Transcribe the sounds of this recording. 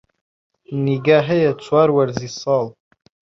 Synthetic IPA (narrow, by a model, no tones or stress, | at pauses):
niɡaħejat͡ʃʷʰwarwarzisal